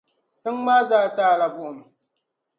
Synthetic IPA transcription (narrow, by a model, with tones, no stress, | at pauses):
tɨ˦ŋmaː˦zaː˦taː˦˨la˨bu˦˨m˨